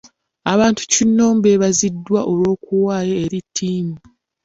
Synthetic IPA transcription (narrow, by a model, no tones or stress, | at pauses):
aβaːntu̥cinːo̞ːmbeβazidːwaʔo̞lwo̞ːkuwaːjeeɾitʰːiːmu